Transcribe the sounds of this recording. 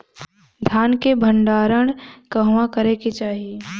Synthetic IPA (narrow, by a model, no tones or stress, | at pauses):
d̪ʱjaːnkebʱə̃ɳɖaːɾəɽ̃kəɦʋãkəɾeket͡ʃaːɦie